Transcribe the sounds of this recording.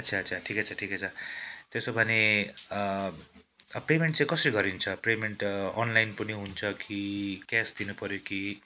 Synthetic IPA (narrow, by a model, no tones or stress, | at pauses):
ʌtːt͡sʰat͡sʰaʈʰiket͡sʰʌʈʰiket͡sʰʌt̪esobʱʌne | pemeɳʈ̚t͡sãĩkʌsʌɾiɡʌɾint͡sʰʌpremeɳʈʌnlajnpʌniɦunt͡sʰʌkikasd̪inupʌɾjoki